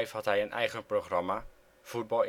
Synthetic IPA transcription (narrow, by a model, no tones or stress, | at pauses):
jfɦɑtɦɛjənʔɛ̰jχənproχrɑma | v̥ud̚bɑlˠ